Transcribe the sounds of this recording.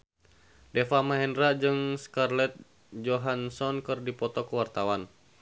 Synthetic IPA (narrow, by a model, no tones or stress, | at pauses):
dɛfamaɦɛndɾad͡ʒɨŋskarlɛt̪̚ | d͡ʒɔɦansɔnkɨrdipɔt̪ɔkuwart̪awan